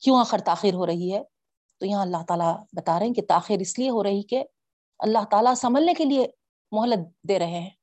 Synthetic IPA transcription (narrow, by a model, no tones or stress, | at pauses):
kjõaːxɪɾt̪aːxiːɾɦoɾɐɦiɦɛː | t̪ojɐɦãɐlːaːɦt̪aːlabɐt̪aːɾɐɦɛ̃ket̪aːxiːɾɪslieɦoɾɐɦike | ɐ̰lːaɦt̪aːlasɐməlnekelie | mʊɦəlːət̪̚d̪eːɾɐɦeɦɛ̃ː